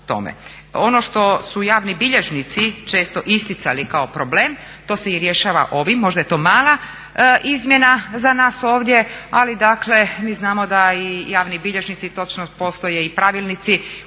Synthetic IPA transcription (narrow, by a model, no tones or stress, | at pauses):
t̪o̞̰mḛ | o̞no̞ʃt̪o̞sujaːʋnibiʎeʒnit̪sit͡ʃe̞ːst̪o̞ʔist̪it̪sa̰likao̞pɾoble̞ːm | t̪o̞ːseiɾjeʃaːʋa̰ʔo̞ʋimːo̞ʒd̪aje̞t̪o̞ːmaːlˠa | ʔizmje̞nazanaːso̞ːʋd̪je̞alid̪akle̞miːznaːmo̞d̪aijaːʋnibiʎe̞ʒnit̪sit̪o̞t͡ʃnopo̞ːst̪o̞jeipɾaʋilˠnit̪si